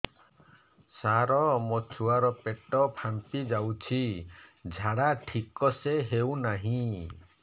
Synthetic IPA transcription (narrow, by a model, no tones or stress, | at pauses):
saɾɔmɔt͡ʃʰuaɾɔpeʈɔpʰampid͡ʒawt͡ʃʰid͡ʒʱaɽaʈʰikɔseɦewnaɦĩ